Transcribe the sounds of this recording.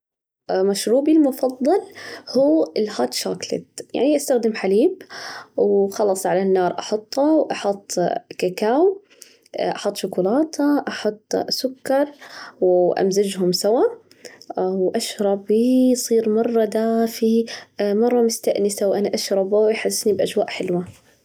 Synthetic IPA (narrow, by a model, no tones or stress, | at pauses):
maʃɾuːbilmʊfɑðˤːɑlhuːɪlhaːt̪ʃa̰ːklɪ̰t̪ja̰ʕniʔast̪axd̪ɪmħaliːbwxɑlːɑsˤʕalanːɑːɾˤʔɑħʊt̪ˤːɑwʔɑħʊt̪ˤːkakaːw | ʔɑħʊt̪ˤːʃʊkʊlaːt̪ʰaʔɑħʊt̪ˤːsʊkːɑɾˤwʔa̰mzad͡ʒɦʊmsawa | wʔaʃɾˤɑbisˤiːɾmɑrˤːɑd̪aːfimɑrˤːɑmʊst̪aʔnɪsawʔanaʔaʃɾˤɑbawʔħɪsːnibʔad͡ʒwa̰ːʔħɪlwa